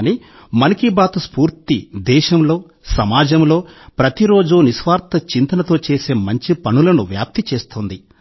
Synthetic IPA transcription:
ni | mɐnikibaːt̪uspuːɾt̪id̪ɛːʃɐmlo̞ː | sɐmaːd͡ʒɐmlo̞ːpɾɐt̪iɾo̞ːd͡ʒuniʃʋaːɾt̪ɐt͡ʃint̪ɐnɐt̪o̞ːt͡ʃe̞ːse̞ːmɐɲt͡ʃipɐnulɐnuʋjaːp̚t̪it͡ʃe̞ːst̪und̪i

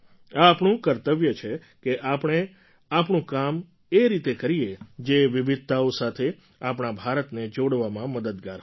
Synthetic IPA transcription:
aːpɳũkəɾt̪əʋjət͡ʃʰe | keʔapɽ̃e | apɳũkam | eɾit̪ekəɾied͡ʒeʋiʋɪd̪̚ʱt̪aosat̪ʰe | apɽ̃abʱaɾət̪ned͡ʒoɽʋamãməd̪əd̪ɡaɾ

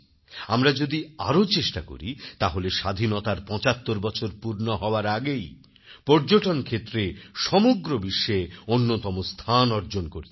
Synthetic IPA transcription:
amɾad͡ʑod̪ia̰ɾot͡ɕeʃʈako̰ɾit̪aɦoleʃad̪ʱinot̪aɾpɔ̃t͡ɕat̪ːoɾbɔt͡ɕʰoɾpuɾnoɦɔoaɾaɡej | pɔɾd͡ʑoʈonkʰet̪ːɾeʃɔmoɡɾobiʃːeonːot̪ɔmost̪ʰanɔɾd͡ʑonkoɾi

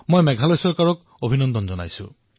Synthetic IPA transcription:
mojmɛɡʱalojsɔɹkaɹɔk | obʱinɔnd̪ɔnzɔna̰jsṵ̃

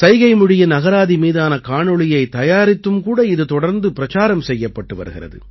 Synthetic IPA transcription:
sɐɪɣɐɪmɯɽɪjɐnɐɣɐɾaːðimiːðaːnɐkaːɳɔɭɪjɐɪt̪ɐjaːɾɪt̪ːɯmkuːɽɐɪðɯt̪ɔɽɐɾnd̪ɯpɪɾɐt͡ʃaːɾɐmsɛjːɐpːɐʈːɯʋɐ̰ɾɯɣɪ̰rɐ̰ðɯ̰

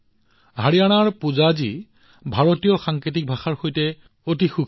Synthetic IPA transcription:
ɦaɹijanaɹpuzazi | bʱaɹotijɔxaŋkɹit̬ik̚bʱaxaɹxojtɛ | otixukʰ

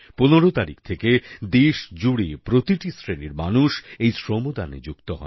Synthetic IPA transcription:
poneɾot̪aɾḭkt̪ʰeked̪eʃd͡ʑuɽipɾot̪iʈisɾeniɾmanuʃejsɾomod̪anḛd͡ʑukt̪oɦɔ̰e

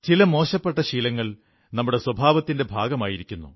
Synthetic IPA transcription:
t͡ɕilɐmo̞ːɕɐpːe̞ʈːɐɕiːlɐŋːɐɭ | nɐmːuɽe̞swɐbʱaːʋɐt̪ːinde̞bʱaːɡɐmaːjiɾikʲːunːṵ

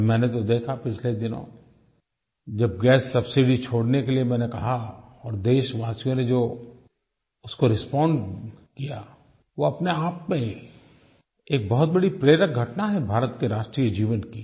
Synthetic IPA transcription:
mɛ̃ːnet̪̬od̪eːkʰapɪt͡ʃʰled̪ɪnõ̰ | d͡ʒɐb̚ɡɛːsːɐbsɪɖit͡ʃʰoːɽnekeliemɛ̃ːnekɐɦaɔːɾd̪eːʃʋaːsijõned͡ʒoː | ʊskoɾɪspɔ̃ːɳɖkija | ʋoɐpneaːpmẽ | eːk̚bɔɦʊt̪̚bɐɽipɾeːɾək̚ɡʱɐʈnaɦɛbʱaːɾət̪keɾaːʃʈɾijed͡ʒiːʋənki

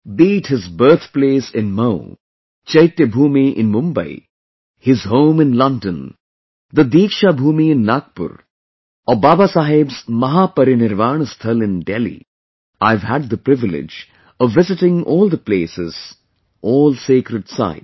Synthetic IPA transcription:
biːʈhɪzbəɾt̪ʰpleːsɪ̃nmaʊ | t͡ʃɐɪt̪jəbʱuːmiʔɪ̰̃nmʊ̃mbə̰ɪ | hɪzɦõːmɪ̃nlʌ̃nɖə̃n | d̪əd̪iːkʃabʱuːmiɪ̃nːaːk̚pʊ̰ɾ | ɔbaːbasaːɦɪbzmɐɦaːpɐɾinɪɾʋaːɳ̃st̪ʰɐlɪ̃nɖelḭ | aɪʋɦæɖ̚d̪əpɾɪʋɪlɪ̰d͡ʒ | ɔʋːɪzɪʈɪ̃ŋɔːlˠd̪əpleːsɪz̥ | ʔɔːlseːkɾəɖsa̰ɪd

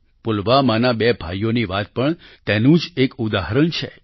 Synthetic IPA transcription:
pulʋamanabebʱajoniʋat̪̚pəɳt̪enũd͡ʒekud̪aɦɾəɳt͡ʃʰḛ

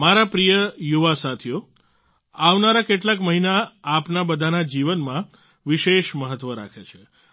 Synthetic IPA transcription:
maɾapɾijəjuʋasat̪ʰijo | aʋnaɾakeʈlakməɦinaːpnabəd̪ʱanad͡ʒiʋənmã | ʋiʃeʃməɦət̪ːʋəɾa̰kʰet͡ʃʰe

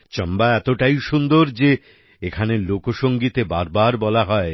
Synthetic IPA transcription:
t͡ɕɔmbaɛt̪oʈajʃund̪oɾd͡ʑe | ekʰanelokoʃoŋɡit̪ebaɾbaɾbɔlaɦɔe

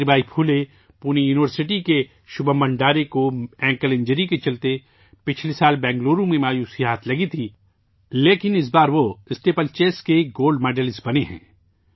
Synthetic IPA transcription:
ɾibaːipʰuːle | puːnijuːnɪʋəɾsɪʈike | ʃʊbəmɐ̃ɳɖaːɾekoɛ̃ːŋkəlɪ̃ɲd͡ʒəɾiket͡ʃɐlt̪e | pɪt͡ʃʰlisaːlbɛ̃ːŋɡloːɾũmẽmaːjuːsiɦaːt̪ʰlɐɡit̪ʰi | leːkɪnɪs̬baːɾʋoɪsʈeːpəlt͡ʃeːskeɡoːlɖmɛːɖəlɪsbɐneɦɛ̰̃ː

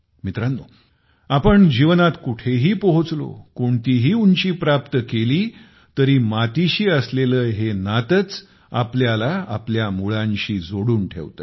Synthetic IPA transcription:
mit̪ɾanːo̰ | apəɳd͡ʑiʋnat̪kuʈʰeɦiːpəɦut͡slo̰koɳt̪iɦiːuɲt͡ɕiːpɾapt̪əkeliː | t̪əɾiːmat̪iɕiːəsleləːɦenat̪ət͡s | apljalaa̰pljamuɭãɲɕiːd͡zoɽuːnʈʰḛʋt̪ə

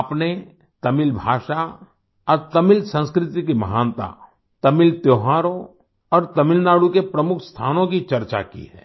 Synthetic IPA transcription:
pne | t̪ɐmɪlbʱa̰ːʃa | ɔːɾt̪ɐmɪlsə̃nskɾɪt̪ikimɐɦaːnt̪a̰ | t̪ɐmɪlt̪joːɦaːɾõ | ɔːɾt̪ɐmɪlnaːɽukepɾɐmʊkʰst̪ʰaːnõkit͡ʃɐɾt͡ʃa̰kḭɦɛ̰ː

